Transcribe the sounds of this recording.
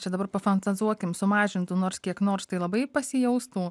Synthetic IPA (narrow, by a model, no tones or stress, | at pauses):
t͡ʃʲɛd̪ɐbɐɾpɐfɐnt̪ɐzuɔkʲɪmsʊmɑːʒʲɪnt̪ʊnoːɾskʲiɛknoːɾst̪ɐɪlˠɐbɐɪpɐsʲɪjɛʊst̪uː